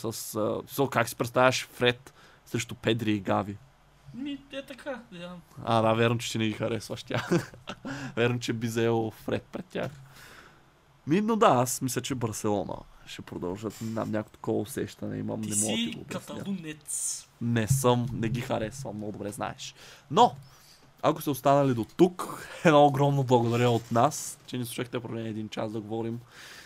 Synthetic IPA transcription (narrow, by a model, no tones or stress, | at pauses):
səssokaksi̥pɾɛt̪st̪avʲɐʃfɾɛt̪ | sɾɛʃt̪ʊpɛd̪ɾiːɡavi | miɛt̪ɐkʰa | a̰d̪avʲjaɾnot͡ʃɛ̥t̪inɛɡixɐɾɛsvɐʃt̪ʲjax | vʲjɛɾnot͡ʃɛbizɐɛlˠfɾɛt̪̚pɾɛt̪̚tːʲa̰x | minod̪aasmislʲət͡ʃɛbəɾsɛlˠɔnə̰ʃɛpɾod̪ɐ̰lˠʒət̪na̰mnʲakot̪kɔvɐosɛʃt̪ɐnɛ̰ḭmɐ̰mnɛmɔt̪iɡo̰ːbʲsnʲa | nɛsɤmnɛɡixɐɾɛsvɐ̰mnɔɡʊd̪obɾɛzna̰ɛʃno | akosɛost̪anɐlid̪ot̪ukɛnooɡɾɔmnoblˠɐɡod̪ɐɾɛot̪nast͡ʃɛnisˠuʃaxt̪ɛpɾovlʲɛnɛd̪int͡ʃa̰sd̪ɐɡovɔɾim